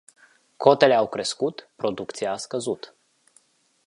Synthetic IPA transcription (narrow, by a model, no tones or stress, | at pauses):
kʰo̞t̪e̞le̞awkɾe̞skut̪pɾo̞d̪ukt̪sijaːskəzut̪